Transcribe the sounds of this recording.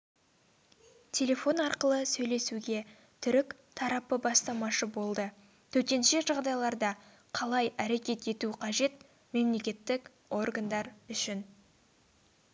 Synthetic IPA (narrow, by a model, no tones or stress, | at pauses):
t̪ʲʰe̞lʲe̞fo̞nɑɾqəlˠəsɵjle̞suɡʲe̞ | t̪ʰʏɾɪk | t̪ʰɑɾɑpəbɑst̪ɑmɑʃəbo̞lˠd̪ə | t̪ʰɵt̪e̞nʃe̞ʒɑʁd̪ɑjlˠɑɾd̪ɑ | qʰɑlˠɑjæɾe̞kʲe̞t̪e̞t̪uqʰɑʒe̞t̪̚ | me̞mle̞kʲe̞t̪ːɪk | o̞rɡand̪ɑɾʏʃɪn